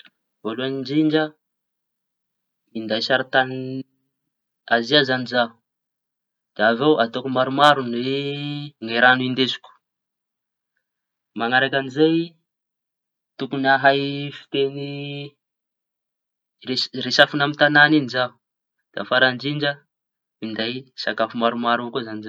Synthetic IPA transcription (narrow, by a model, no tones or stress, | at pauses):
voluanind͡ʒiɳd͡ʒə | ind̪ajsaɾat̪an | aziazanizaɦu | d̪̥aavewʔat̪okumaɾumaɾunwe | ŋeɾanind̪ezu̥kʲu̥ | maŋaɾakʲanizaj | t̪ukunaɦajfi̥t̪eni | reresafunamit̪ananinizaɦu | d̪̥a̰faɾand͡ʒiɳd͡ʒə | ind̪ajsakafumaɾumaɾuakuzaniza